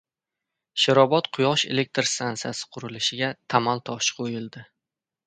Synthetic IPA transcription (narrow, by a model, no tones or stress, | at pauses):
ʃɪɾɒbɒt̪qʰʊjɒʃe̞̰lek̚ʲt̪ɾst̪antsiasɪ̥qʰʊɾɪlɪʃɪɡʲat̪ʰamalt̪ʰɒʃqʰojɪlˠd̪ɪ